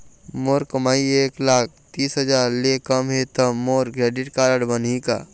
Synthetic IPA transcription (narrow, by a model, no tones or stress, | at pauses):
moːɾkəmaːieːklaːk̚t̪iːsɦəd͡ʒaːɾlekəmɦet̪əmoːɾɡɾɛːɖɪʈkaːɾəɽbənika̰ː